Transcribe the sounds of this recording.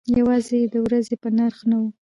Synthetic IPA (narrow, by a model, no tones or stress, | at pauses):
jawɑzejed̪əwɾazepənaɾxnawu